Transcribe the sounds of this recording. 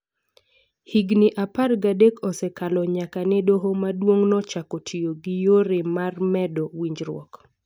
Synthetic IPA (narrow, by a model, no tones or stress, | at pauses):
hiɡnɪʔaparɡadekɔsɛkalɔɲakanɪdoɦomadwoŋnɔt͡ʃakɔtʰijoɡɪjoɾɪmarmɛdɔwiɲd͡ʒɾwɔ̰k